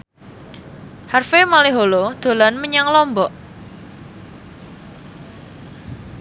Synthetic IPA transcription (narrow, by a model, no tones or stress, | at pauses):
harfemaleɦolod̪̥o̤lanməɲaŋlɔmbɔʔ